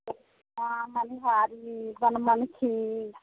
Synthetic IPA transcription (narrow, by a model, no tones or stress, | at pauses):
aməniɦaːɾibənmənkʰiː